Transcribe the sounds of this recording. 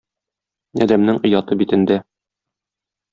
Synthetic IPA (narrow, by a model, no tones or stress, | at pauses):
ɒ̰d̪æmnɘŋɤ̆jɑt̪ɤbit̪ɘ̆nd̪æ